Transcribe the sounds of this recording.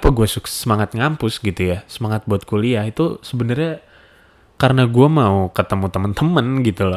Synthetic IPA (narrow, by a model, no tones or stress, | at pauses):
apaɡuasʊksəmaŋat̪̚ŋampʊsɡit̪ujasəmaŋat̪̚buat̪̚koliahit̪usəbənərɲa | kaɾənaɡuamaukət̪əmut̪əmənt̪əmənɡit̪ulɔ